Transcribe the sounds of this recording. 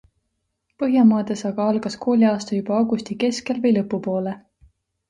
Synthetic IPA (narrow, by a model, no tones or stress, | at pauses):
pɤɦjɑmɑːd̪̥esɑɡ̥ɑɑlɡ̥ɑskʰo̞ːlʲiɑːst̪ɑjub̥ɑowɡ̥ust̪ike̞ske̞lvɤjlɤpːˑupo̞ːle